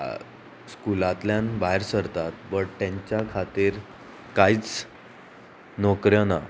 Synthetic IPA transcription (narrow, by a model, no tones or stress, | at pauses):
skulat̪ljãnbaɦeɾsəɾt̪at̪̚bəɽt̪jãɲt͡ɕjakʰat̪iːɾ | kait͡s | nɔkɾjəna